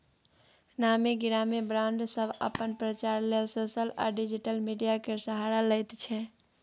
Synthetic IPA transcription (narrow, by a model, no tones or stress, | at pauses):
namiɡiɾamibɾãnd̪ʱsəbʱə̰pənpɾət͡ʃaɾlelsosəla̰ɖid͡ʒiʈəlmiɖijakesəɦaɾaləjt̪t͡ʃʰɛ